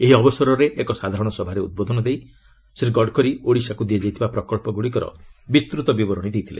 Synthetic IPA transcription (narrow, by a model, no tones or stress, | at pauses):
eɦiɔbɔsɔɾɔɾeʔːkɔsad̪ʱaɾɔɽ̃ɔsɔbʱaɾeṵd̪̚bod̪ʱɔnɔd̪ej | siɾɡɔɖkɔɾioɽisakud̪ied͡ʒajt̪ʰibapɾɔkɔɭpɔɡuɽikɔɾɔ̰bist̪ɾut̪ɔbibɔɾɔɽ̃id̪ʱejt̪ʰilḛ